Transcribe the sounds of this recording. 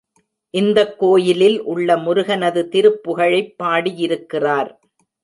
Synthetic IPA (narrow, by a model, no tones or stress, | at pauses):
ʔɪnd̪ɐkːoːjɪlɪlʔʊɭːɐmʊɾɯɣɐnɐðɯt̪ɪɾɯpːʊɣɐɻɐɪpːaːɽijɪɾɯkːɪraːɾ